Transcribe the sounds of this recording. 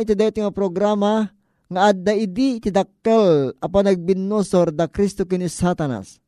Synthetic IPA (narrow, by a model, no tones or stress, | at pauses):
jt̪id̪ajot̪ŋapɾoɡɾama | ŋaʔad̪ːaid̪it̪id̪ɐkːalɐpanɐɡ̚binːosoɾd̪ɐkɾist̪okɪnisat̪ana̰s